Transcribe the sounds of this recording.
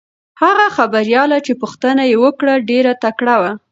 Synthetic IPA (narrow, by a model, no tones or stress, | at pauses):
haɣaxabaɾjɑlat͡ʃepʊxt̪ənajewəkɽaɖeɾat̪akɽawa